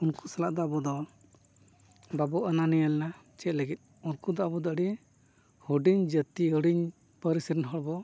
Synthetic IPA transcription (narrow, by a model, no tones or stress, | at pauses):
unku̥salaʔd̪aʔbɔd̪ɔ | babɔʔananijalɛnat͡ʃɛt̪̚ləɡit̪̚ˀunkud̪aʔbɔd̪aʔɖi | huɖiɲd͡ʒət̪iɦəɽiɲ | pəɾisiɾinɦɔɽbɔ